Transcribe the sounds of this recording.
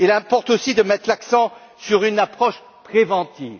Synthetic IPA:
ilɛ̃pɔʁt̪osid̪əmɛt̪χlaksɑ̃ | syʁynapχɔʃ | pχevɑ̃t̪iːv

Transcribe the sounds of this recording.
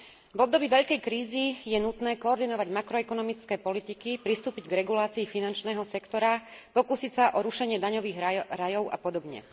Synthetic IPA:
vɔb̚d̪ɔbiːʋɛʎkɛjkɾiːzijɛnut̪nɛːkɔːɾd̪inɔʋaɟmakɾɔɛkɔnɔmit͡skɛːpɔlit̪ikipɾist̪uːpiɟɡɾɛɡulaːt͡siːfinant͡ʃnɛːɦɔsɛkt̪ɔɾapɔkusicsaʔɔɾuʃɛɲɪɛd̪aɲɔʋiːɣɾajɔʊa̰pɔd̪ɔbɲɛ̰

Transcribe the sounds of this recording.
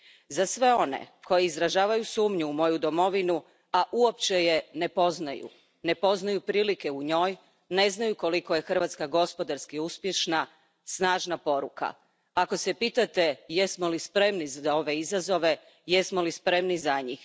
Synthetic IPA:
zasʋe̞o̞nḛko̞jeizɾaʒaːʋajusuːmɲuumo̞jud̪o̞mo̞ʋinu | aʔuo̞pt͡ɕe̞je̞ne̞po̞znajṵ | ne̞po̞znajupɾiːlike̞uɲo̞ːj | ne̞znajuko̞liko̞je̞xr̩ʋat̪skaɡo̞spo̞d̪aɾskiuspje̞ʃna | snaːʒnapo̞ɾuka̰ | ako̞se̞piːt̪at̪e̞jesmo̞lispɾe̞mnizao̞ʋe̞izazo̞ʋe̞ | je̞smolispɾe̞mnizaɲiːx

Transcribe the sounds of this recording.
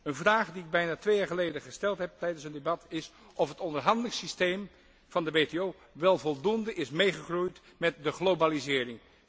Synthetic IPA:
ənvraːχdiɪɡ̚bɛjnaːtʋejaːɹχəlejdəχəstɛlˠtɦɛp̚tɛjdənsəndebɑtʰɪs | ʔɔfɦətɔndəɹɦɑndəlɪŋsistejm | v̥ɑndəʋeteoː | ʋɛlˠvɔlˠdundəʔɪsmejχəχrujt | mɛt̚dəχlobalizɪːɾɪŋ

